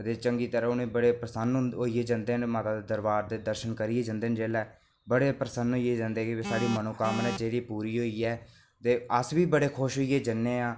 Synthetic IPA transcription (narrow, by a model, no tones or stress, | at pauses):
ət̪eːt͡ʃəŋɡiːt̪əɾãːʊnẽːbəɽeːpɾəsənɦoːieːd͡ʒãːnd̪eːɦənmaːt̪aːd̪eːd̪əɾbaːɾd̪eːd̪əɾʃənkəɾieːd͡ʒãːnd̪eːnd͡ʒeːlɛː | bəɽeːpɾəsənɦoːieːd͡ʒãːnd̪eːkɪesaːɽiːmənoːkaːmnɛːd͡ʒeːɽiːpuːɾiːɦoːiːɛː | t̪eːəsʋiːbəɽeːkʰʊʃɦoːieːd͡ʒənːeːaː